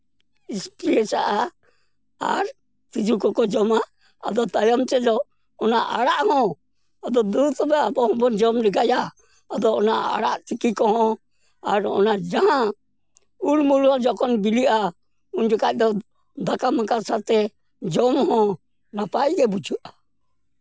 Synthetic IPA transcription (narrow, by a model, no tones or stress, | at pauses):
ispɾiɛsaʔa | a̰ɾ | t͡ʃit͡ʃʰukɔkɔd͡ʒɔma̰ː | d̪ɔt̪ajɔmt͡ʃɛd͡ʒɔː | naʔaɽaʔhɔ̃ | ad̪ɔd̪ut̪ɔbɛabɔhɔ̃bɔnd͡ʒɔmlɛɡajaː | d̪ɔɔnaʔa̰ɽaʔt͡ʃikikɔɦɔ̃ | aɾɔ̰nad͡ʒaɦã | uɽmulhɔ̃d͡ʒɔkɔnbiliʔa | uɲd͡ʒɔkac̚d̪ɔ | d̪akamãkasat̪ɛ | d͡ʒɔmhɔ̃ | napajɡɛbud͡ʒuʔa